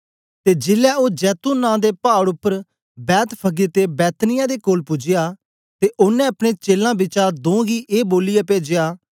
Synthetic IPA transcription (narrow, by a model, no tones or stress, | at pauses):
t̪eːd͡ʒɪlɛːoːd͡ʒɛːt̪uːnãːd̪eːpaːɽʊpːəɾ | bɛːt̪pʰəɡet̪ebɛːt̪nɪjãːd̪eːkoːlpʊd͡ʒɪjaː | t̪eːʔʊnːɛ̃ːɐpɽ̃ẽːt͡ʃeːlãːbɪt͡ʃad̪õːɡiːʔeːboːlɪjapeːd͡ʒɪjaː